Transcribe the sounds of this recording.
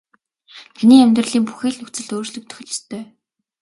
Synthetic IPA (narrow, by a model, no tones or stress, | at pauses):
t̪ʰæniːæmʲt̪rə̆ɮiːŋpu̥xeːɮnɵkt͡sɘ̆ɮt̪oːrɮɵ̆k̚t̪ʰɵ̥x̆ʲɮə̥̆st̪ʰœː